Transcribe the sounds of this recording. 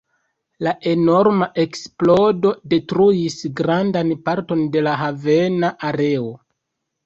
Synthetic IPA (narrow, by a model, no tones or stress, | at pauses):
laʔe̞no̞ɾmaʔe̞ksplo̞do̞de̞tɾuisɡɾandanpaɾto̞nde̞laɦave̞naʔaɾe̞o